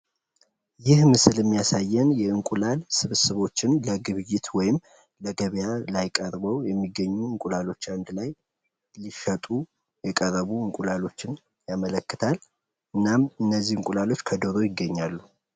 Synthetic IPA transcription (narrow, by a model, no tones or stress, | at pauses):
jɪhmɨsɨlɛmːijasajːɛnjɛɨŋkʼulalsɨβɨsɨβo̞t͡ʃːɪnləɡɨβɨjɪt̪wɔjɪm | ləɡəβjalajkʼəɾbəwjɛmːiɡːəɲːuɨŋkʷʼulalo̞t͡ʃːand̪laj | liʃət̪ʼu | jɛkʼərːəβuɨŋkʼulalo̞t͡ʃːɪn | jamələkːɨt̪ʰal | ɨnːamɨnːəzːihɨŋkʼulalo̞t͡ʃːkʰəd̪oɾo̞jɪɡːəɲːalːu